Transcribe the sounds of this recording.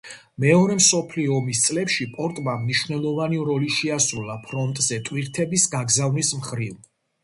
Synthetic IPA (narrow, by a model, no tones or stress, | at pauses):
mɛɔɾɛmsɔpʰliɔːmist̪sʼlɛpʃipʼɔɾt̪ʼmamniʃvnɛlˠɔvaniɾɔliʃiasɾulˠapʰɾɔnt̪ʼzɛt̪ʼwiɾt̪ʰɛbisɡaɡzavnismχɾiv